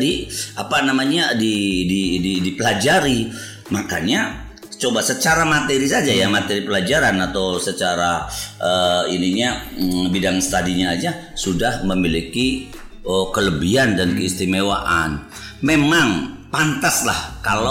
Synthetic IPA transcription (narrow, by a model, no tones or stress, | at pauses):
diapanamaɲadidididipəlad͡ʒaɾi | maka̰ɲa | t͡ʃobasət͡ʃaɾamat̪eɾisad͡ʒajamat̪eɾipəlad͡ʒaɾanat̪awsət͡ʃaɾaʔəiniɲabidaŋsə̥t̪adiɲad͡ʒa | sudahməmiliki | əkələbiandankəist̪imewa̰ʔan | memaŋpant̪aslahkala